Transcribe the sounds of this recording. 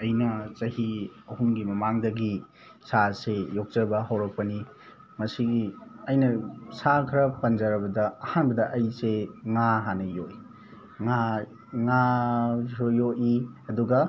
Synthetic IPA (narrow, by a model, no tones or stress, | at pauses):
ɐjnɐt͡ʃɐhiɐhuŋɡimɐmaŋdɐɡi | sasejok̚t͡ʃɐbɐɦawɾɐk̚pɐni | mɐsiɡiɐjnɐsakʰɾɐpɐnd͡ʒɐɾɐbɐdɐɐhanbɐdɐʔɐjseŋaɦanɐjoʔi | ŋa | ŋa | jojoʔiɐduɡɐ